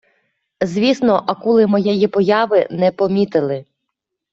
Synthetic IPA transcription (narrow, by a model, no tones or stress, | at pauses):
zʲʋʲisnɔʔɐkulˠɪmɔjɛjipɔjɑʋɪnɛpɔmʲit̪ɪlˠɪ